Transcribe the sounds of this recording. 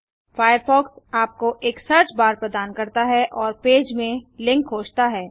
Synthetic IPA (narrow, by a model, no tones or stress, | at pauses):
faːjəɾfɔːksaːp̚koʔeːksɐɾt͡ʃbaːɾpɾəd̪aːnkɐɾt̪aɦɛʔɔːɾpeːd͡ʒmẽlɪ̃ŋkɦoːt͡ʃt̪aɦɛː